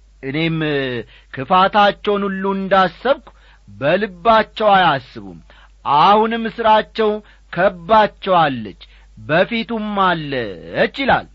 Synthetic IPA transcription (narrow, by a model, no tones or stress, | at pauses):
ʔɨne̞m | kʰɨfat̪ʰat͡ʃːɛwnulːuɨnd̪asːəβkʷ | bəlɨbːat͡ʃːɛwajasːɨβṵm | ʔahunɨmːɨsɨɾat͡ʃːɛw | kʰəbːat͡ʃːɛwalːət͡ʃː | bəfit̪umːalːət͡ʃːila̰l